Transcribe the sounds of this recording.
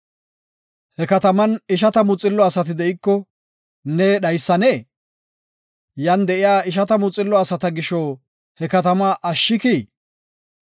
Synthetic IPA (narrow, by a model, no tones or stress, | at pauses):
hɛkɐt̪ɐmɐnɪʃ̬ɐt̪ɐmʊt͡sʼːɪlːɔɐsɐt̪ɪd̪ɛʔɪkːɔ | nɛɗɐjsːɐneː | jɐnd̪ɛʔɪjaːɪʃ̬ɐt̪ɐmʊt͡sʼːɪlːɔɐsɐt̪ɐɡɪʃɔ | hɛkɐt̪ɐmɐʔɐʃːɪkiː